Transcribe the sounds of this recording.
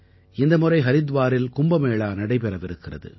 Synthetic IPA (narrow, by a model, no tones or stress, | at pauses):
ɪnd̪ɐmɯrɐɪɦɐɾɪðʋaːɾɪlkʊmbɐmeːɭaːnɐɽɐɪpɛɾɐʋɪɾɯkːɪrɐ̰ðɯ̰